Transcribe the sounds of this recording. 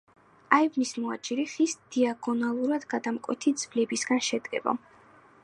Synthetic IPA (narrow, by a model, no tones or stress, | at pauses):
aivmismɔa̰t͡ʃʼiɾiχisd̪̥iaɡɔnalˠuɾad̪ɡad̪amkʼwɛ̰t̪ʰid̪z̥vlɛbisɡanʃɛd̪ɡɛ̰ba̰